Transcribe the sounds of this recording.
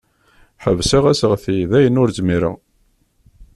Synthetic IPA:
ħəvsæʁæsəʁθiðæjənʊɾzmiɾə̰ʁ

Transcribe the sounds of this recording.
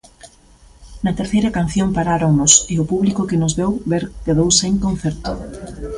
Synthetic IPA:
nɐt̪eɾθejɾɐkan̟θjoŋpaɾaɾoŋnʊsɪʊpuβlikʊkɪnʊzβewβeɾkeðowseŋkõn̟θɛɾt̪ʊ

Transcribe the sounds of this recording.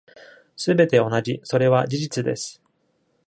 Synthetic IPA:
sɨbe̞t̪e̞o̞naʑiso̞ɾe̞βad͡ʑiʑit͡sɨd̪e̞̰sɨ̥

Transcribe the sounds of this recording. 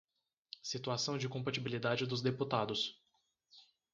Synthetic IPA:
sit̪uasɐ̃w̃d͡ʒɪkõpat͡ʃibilid̪ad͡ʒɪd̪ʊzd̪eput̪ad̪ʊs

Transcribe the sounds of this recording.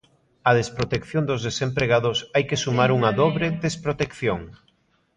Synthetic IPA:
ɐðespɾot̪ekθjond̪ʊzðesempɾeɣaðʊsajkesumaɾuŋɐðɔβɾeðespɾot̪ekθjoŋ

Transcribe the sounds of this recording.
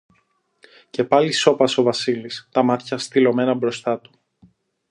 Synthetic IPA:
ce̞pɐliso̞pɐsovɐsilist̪ɐmɐt̪çɐst̪ilo̞me̞nɐbɾo̞st̪ɐt̪u̥

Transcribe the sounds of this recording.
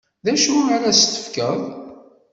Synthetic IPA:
ðæʃuaɾæst̪ə̥fkəð

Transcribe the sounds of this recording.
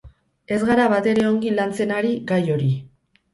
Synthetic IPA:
e̞zɣaɾaβat̪e̞ɾe̞o̞ŋɡilant͡se̞naɾiɡajo̞ɾi

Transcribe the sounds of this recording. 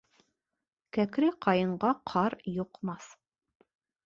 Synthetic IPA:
kækɾɘqɑjɤ̆ɴɢɑqʰɑɾjŏqmɑθ

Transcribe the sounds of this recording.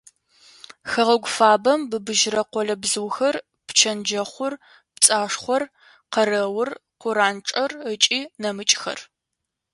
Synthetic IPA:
xɐʁɐɡʷʊfaːbɐmbɨbɨʒɾɐqʷɔlɐbzɨwxɐr | pt͡ʃʰɐnd͡ʒɐχʷʊr | pt͡sʼaːʂχʷɔr | qɐrɐwʊrqʷʊɾaːnʈ͡ʂʼɐrət͡ʃʼiːnɐmɨt͡ʃʼxɐ̰r

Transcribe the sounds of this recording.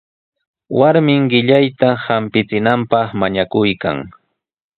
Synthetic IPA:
wʔaɾmɪŋɢɪʎajt̪ahampɪt͡sɪnampɑχmaɲakʊjka̰ŋ

